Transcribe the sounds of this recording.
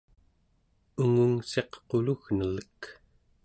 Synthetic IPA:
uŋuŋse̞qqoluɣnələk

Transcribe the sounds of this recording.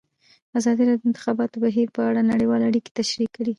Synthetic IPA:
azɑd̪iɾɑdd̪əɪnt̪ɪxɑbɑt̪obaɦiɾpəaɽanaɽəwɑleaɽike̥t̪aʃɾikːaɽi

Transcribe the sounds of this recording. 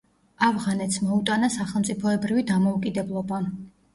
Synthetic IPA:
avʁanɛt̪smɔut̪ʼanasaχɛlˠmt̪sʼipʰɔɛbɾivid̪amɔukʼid̪ɛblˠɔba

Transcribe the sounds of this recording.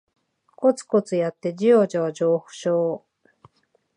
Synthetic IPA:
ko̞t͡sɨ̥ko̞t͡sɨjat̪ːe̞d͡ʑijod͡ʑoad͡ʑo̞ːhɯ̟̥ɕoː

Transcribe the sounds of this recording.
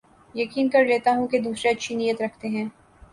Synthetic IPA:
jɐkiːnkɐɾleːt̪aɦũked̪uːsɾeɐtːʃʰinijət̪ɾɐkʰt̪eɦɛ̃ː

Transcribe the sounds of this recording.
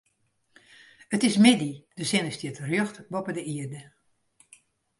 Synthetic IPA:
ətɪsmɪdid̥əsɪnəstitrjøxtbɔpədəiərdə

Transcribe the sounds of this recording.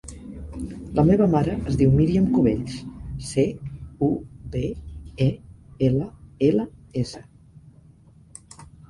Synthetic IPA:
ləmeβəmaɾəʔəzðiwmiɾiəmkuβeʎsseubeeeləeləesə

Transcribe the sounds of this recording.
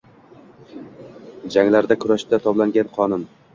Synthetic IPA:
d͡ʒaŋlaɾd̪akʰʊɾaʃd̪at̪ʰɒblaŋɡʲanqʰɒnʊm

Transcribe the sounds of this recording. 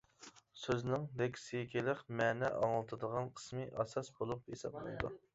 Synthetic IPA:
søznɪŋd̪ekʲʰsijkʲʰelɪqmɛːnɛʔɑ̰ŋlˠɨt̪ʰɨd̪əʁɑnqʰə̥smɨʔɑsɑsbolˠup̚hesɑ̰blˠɨ̰nd̪ṵ

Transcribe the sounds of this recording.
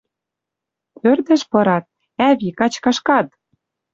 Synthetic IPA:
pørd̪ɘ̆ʃpɤ̆ɾɑt̪̚ | æβikɑt͡ɕkɑʃkɑt̪̚

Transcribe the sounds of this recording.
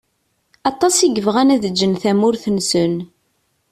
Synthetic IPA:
ɑt̪ˤɑsiɡəvʁænæðəd͡ʒːənθæmʊɾθənsən

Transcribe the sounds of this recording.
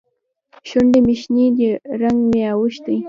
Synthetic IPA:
ʃʊndɪmɪʃniʎɪɾaŋmɪawʊʃt̪ɪj

